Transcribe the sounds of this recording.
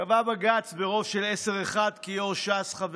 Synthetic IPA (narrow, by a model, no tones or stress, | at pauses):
avabaɡat͡sbeʁo̞vʃe̞lese̞ʁeχad̪kijoʃasχav